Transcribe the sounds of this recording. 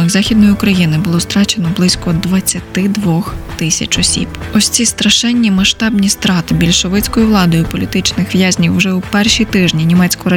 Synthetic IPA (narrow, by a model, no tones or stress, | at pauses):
ɪɣzɑxʲid̪̚nɔjʊʊkɾɐjinɪbʊlˠɔst̪ɾɑt͡ʃenɔblˠɪsʲkɔd̪ʋɐt͡sʲːɐt̪ɪd̪ʋɔxt̪ɪsʲɐ̰t͡ʃɔsʲḭb̥ɔsʲt͡sʲist̪ɾɐʃɛnʲːimɐʃt̪ɑbnʲist̪ɾɑt̪ɪbʲilʲʃɔʋɪt͡sʲkɔjʊʋlˠɑd̪ɔjʊpɔlʲit̪ɪt͡ʃnɪxʋjazʲnʲiwːʒɛʊpɛrʃit̪ɪʒnʲinʲimɛt͡sʲkɔɾɐ